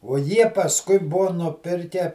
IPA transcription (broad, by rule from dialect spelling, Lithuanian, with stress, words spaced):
oː ˈjiɛ pɐsˈkʊɪ ˈbuɔ nʊˈpʲɪrʲkʲɛ